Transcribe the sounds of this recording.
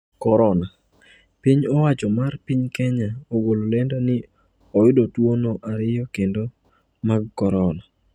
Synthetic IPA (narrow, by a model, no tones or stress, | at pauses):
kɔɾɔna | piɲɔwat͡ʃɔmarpiɲkɛɲaoɡololɛndonɪ | ɔjʊdotwonoʔaɾɪjɔkendo | maɡkɔɾɔna